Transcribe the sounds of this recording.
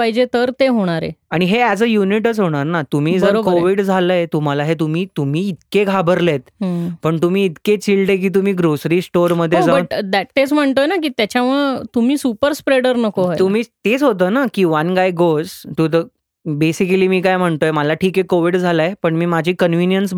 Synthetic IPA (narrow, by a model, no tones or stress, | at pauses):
paɦid͡ʑet̪əɾt̪eɦoɽ̃aɾḛaɽ̃iɦeɛd͡zəjuniʈət͡sɦoɽ̃aɾnat̪um̤iːd͡zəɾbkoʋiɽd͡zʱaləet̪um̤alaɦet̪umiːt̪um̤iːt̪keɡʱabəɾlet̪pəɳt̪um̤iːt̪ket͡ɕilɖek̬iːt̪̬um̤iːɡɾosɾiːsʈoɾməd̪ʱːjed͡zabəd̪æʈt̪ːet͡sm̤əɳt̪ojnak̬iːt̪jat͡ɕjaməɭt̪umiːsupəɾspɾeɽəɾnəkoɦat̪um̤iːt̪et͡sɦot̪əːnakiːʋənɡajɡozt̪ut̪ə | besikəliːmiːkajm̤əɳt̪ojməlaʈʰiːkekoʋiɖd͡zʱalaepəɳmiːmad͡ʑʱiːkənʋinjəns